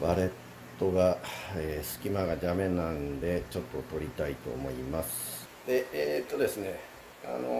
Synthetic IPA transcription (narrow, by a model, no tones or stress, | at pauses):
baɾe̞t̪ːo̞ɡaeːsɨ̥kʲimaɡaʑamẽ̞nːãnd̪e̞t͡ɕo̞t̪ːo̞t̪o̞ɾʲit̪ait̪o̞̰ːmo̞imasɨ̥ | d̪̥e̞eːt̪ːo̞d̪e̞sɨne | a̰no̰